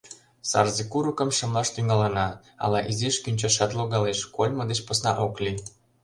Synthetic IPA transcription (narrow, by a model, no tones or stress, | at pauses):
sɑ̰rzekuɾukə̆mʃə̆mlɑʃt̪yŋɑlənɑ | ɑ̰lɑʔizeʃkynʲt͡ɕɑʃɑt̪loɣɑleʃkolʲmə̆d̪et͡ɕposnɑʔokli